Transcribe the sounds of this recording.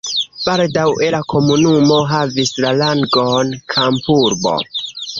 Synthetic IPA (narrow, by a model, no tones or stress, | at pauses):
b̥aldawe̞lakʰo̞munumo̞ɦavislalaŋɡo̞nkʰampuɾbo̞̰